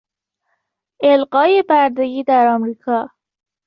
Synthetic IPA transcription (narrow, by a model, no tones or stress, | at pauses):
elɢɒːjebaɾd̪eɡiːd̪aɾɒmɾikʰɒ